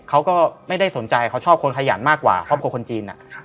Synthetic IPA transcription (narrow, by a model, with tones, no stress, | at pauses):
kʰa˦˥wkɔː˥˩ma˥˩jda˥˩jso˩˦nt͡ɕa˧jkʰa˦˥wt͡ɕʰɔː˥˩p̚kʰo˧nkʰa˧ja̰ː˩˦nmaː˥˩kːwa̰ː˨˩kʰɔ˦˥˩pʰu˧kʰo˧nt͡ɕiː˧nʔa̰˨˩